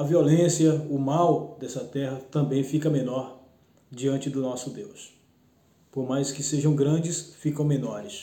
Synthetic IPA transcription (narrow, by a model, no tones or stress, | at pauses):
ɐviolẽsjɐʊmawd̪ɛsɐt̪ɛhɐt̪ɐ̃mbẽj̃fikɐmẽnɔɾ | d͡ʒiɐ̃nt͡ʃɪd̪ʊnɔsʊd̪ews | poɾmajskɪseʒɐ̃w̃ɡɾɐ̃d͡ʒɪsfikɐ̃w̃mẽnɔɾɪs